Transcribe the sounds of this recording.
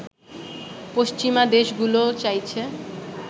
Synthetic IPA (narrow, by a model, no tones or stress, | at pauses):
poʃt͡ɕimad̪eʃɡulot͡ɕajt͡ɕʰe